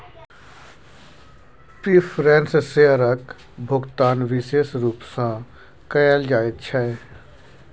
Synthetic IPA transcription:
pɾiːfʰɾɛ̃ːnsseəɾək | bʱʊɡt̪aːnʋɪʃeːsɾuːpsã | kəjaːld͡ʒaːet̪t͡ʃʰɛ

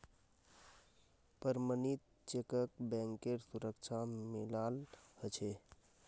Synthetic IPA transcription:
pəɾmənit̪̚ | t͡ʃekəkbɛ̃ŋkeɾsuɾəkt͡ʃʰamilalhət͡ʃʰe

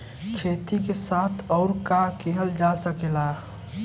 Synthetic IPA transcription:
kʰeːt̪ikesaːt̪ʰɔːɾkakeɦəld͡ʒasəkelaː

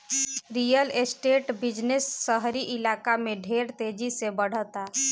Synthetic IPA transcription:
ɾijəlesʈeʈbid͡ʒnesːəɦɾiʔilakameɖʱeɾt̪ed͡ʒisebəɽ̤ət̪a

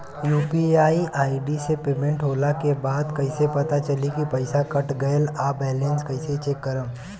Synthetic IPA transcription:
juːpiaːiʔaːiɖisepeːmẽɳʈɦoːlakebaːd̪kɐɪsepɐt̪at͡ʃɐlikipɐɪsakɐʈɡɐlabɛːlẽnskɐɪset͡ʃeːkːəɾəm

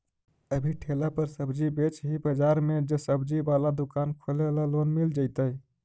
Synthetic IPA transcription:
əbʱiʈʰelapəɾsəbd͡ʒibet͡ʃɦibəd͡ʒaɾmed͡ʒesəbd͡ʒibalad̪ukankʰolelalonmild͡ʒaɪt̪əj

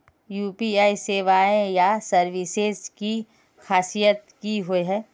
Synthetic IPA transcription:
juːpiaːiseːʋaːẽjasɐɾʋisezki | xaːsijət̪kiɦoeɦɛː

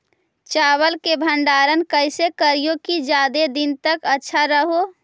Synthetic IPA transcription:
t͡ʃaːβəlkebʱəɳɖaːɾənkəɪsekəɾijokid͡ʒaːd̪ed̪int̪əkətːʃʰaɾəɦo

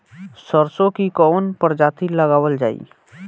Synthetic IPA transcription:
səɾsõkikɔːnpəɾd͡ʒaːt̪iləɡaːwəld͡ʒa̰ːḭː

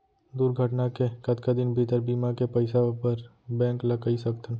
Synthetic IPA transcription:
d̪uɾɡʱəʈnakekət̪kad̪ɪnbʱit̪əɾbimakepəɪsapəɾ | bɛ̃ːŋkləkaisəkt̪ən

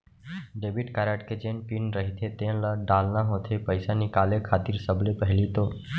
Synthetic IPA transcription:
ɖebiʈkaɾaʈked͡ʒeːnpinɾəɦit̪ʰet̪ẽlaɖaːlnaɦoːt̪ʰepəɪsanikaːlekʰaːt̪iːɾsəblepəɦɪlit̪oː

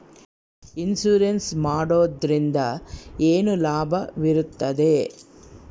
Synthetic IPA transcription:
insuːɾensmaːɽoːd̪ɾind̪ɐeːnulaːbʱɐʋiɾut̪ːɐd̪e

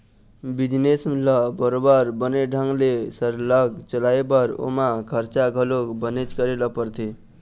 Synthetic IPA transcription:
bid͡ʒnesmlʌbəɾobaɾbəneɖʱəŋɡlesəɾləɡt͡ʃəlaebəɾo̰makʰəɾt͡ʃaɡʱəlokbənet͡ʃkəɾelʌpəɾt̪ʰe

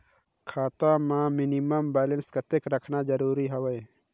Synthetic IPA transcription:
kʰaːt̪amãminiməmbɛːlenskət̪ekɾəkʰnad͡ʒəɾuːɾiɦəwej

